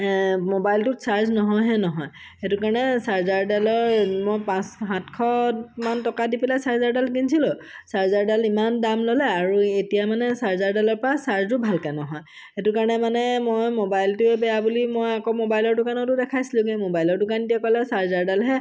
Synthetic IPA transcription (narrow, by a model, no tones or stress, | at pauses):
mobajltʊtsaɹznɔɦɔjɦɛnɔɦɔj | etʊkaɹɔnɛsaɹzaɹdalɔɹmojpãsɦãtkʰɔ̃mantɔkadipɛlasaɹzaɹdalkinsʰilɔ | saɹzaɹdalimandamlɔlɛaɹuetijamanɛsaɹzaɹdalɔɹpɔɹasaɹztʊbʱalkɛnɔɦɔj | etʊkaɹɔnɛmanɛmojmobajltʊɛbɛjabulimojakomobajlɔɹtʊkanɔtʊdɛkʰajsilʊ̃kẽmobajlɔɹtʊkaɹnetijakɔlɛsaɹzaɹdalɦɛ